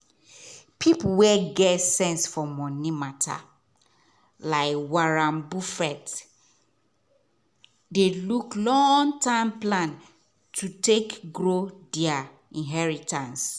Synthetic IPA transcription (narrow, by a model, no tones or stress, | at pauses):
pʰipuwɛɡɛtsɛ̃nsfɔmɔ̃nimatʰa̰ | laɪkwaɹãmbufɛt | deluklɔ̃ŋtãmplãn | tʰutekɡɹodia | ĩnɦɛɹitãns